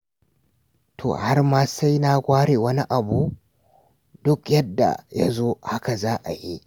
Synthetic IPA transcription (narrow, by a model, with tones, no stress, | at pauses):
tʰo̰˨ha˦rmaː˦sa˦jna˦kʷaː˦ɽeː˨wɐ˦ni˦ʔa˨bu˦ | dʊ˦kjɐ˦dːa̰˨ja˦zoː˦ha˦ka˨zaː˦ʔa̰˨ji˦ʔ